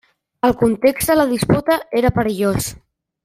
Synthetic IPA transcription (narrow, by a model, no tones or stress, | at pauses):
əlˠkunt̪ekzd̪ələðisput̪əeɾəpəɾəʎos